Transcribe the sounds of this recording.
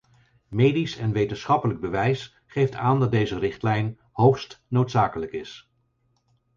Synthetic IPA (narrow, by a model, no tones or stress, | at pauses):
mejdisɛnʋejtənsχɑpələɡ̚bəʋɛjs | χejftaːndɑt̚dejzərɪχtlɛjn | howχstnowtsaːkələkɪs